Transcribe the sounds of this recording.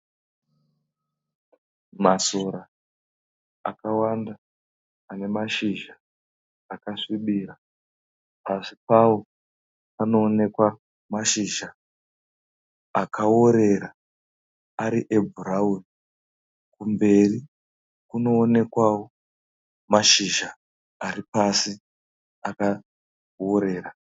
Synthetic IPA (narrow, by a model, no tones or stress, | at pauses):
maso̞ɾa | a̰kawandaː | ne̞maʃiʒaː | kaʂiɓiːɾa | asipawo̞ | ano̞ːne̞kwa | maʃiʒa | akʰao̞ɾe̞ra | aɾiʔe̞bʱuɾauri | kumbe̞ri | kuno̞ːne̞kwawo̞ | maʃiʒa | aɾipasi | aka | wo̞ɾe̞ːra